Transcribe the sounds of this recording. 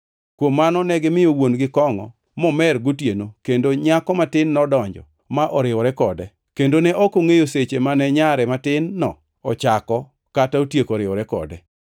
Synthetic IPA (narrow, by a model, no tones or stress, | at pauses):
kwomːanɔnɛɡɪmɪjowonɡɪkɔŋɔ̰ | mɔmɛrɡotjenokendoɲakɔmatɪnːɔdɔɲd͡ʒɔ̰ | maʔɔɾɪwɔɾɛkɔdɛ | kendonɛʔɔkoŋejoset͡ʃemanɛɲaɾɛmatɪnːɔ̰ | ɔt͡ʃakɔ | kataotjekoɾɪɔɾɛkɔ̰dɛ